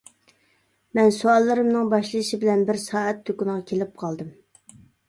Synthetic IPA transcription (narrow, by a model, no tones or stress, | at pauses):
mɛnsuɑlˠːɨɾɨmnɨŋbɑʃlˠɨʃibɪlɛnbɪɾsɑːɛt̪ʰːøkunʁɑkʲʰelɪp̚qʰɑlˠd̪ɨm